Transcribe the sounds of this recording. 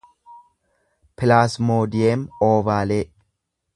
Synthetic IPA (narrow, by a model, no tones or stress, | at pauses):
pɪlaːsmoːd̪ɪjeːmoːvaːleː